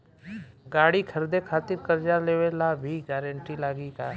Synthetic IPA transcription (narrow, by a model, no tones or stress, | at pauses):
ɡaːɽikʰəɾd̪ekʰaːt̪ɪɾkəɾd͡ʒaleːʋelabʱiɡɛːɾə̃ɳʈilaːɡika